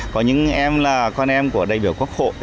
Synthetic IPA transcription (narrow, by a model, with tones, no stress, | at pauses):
kɔ˨˦ɲɨ̰˧˥ŋʔɛ˧mlaː˨˩kɔ˧nʔɛ˧mku˧˩əɗaː˨˩jɓi˧˩əwku˦˥ək̚ho̰˧˨ʔ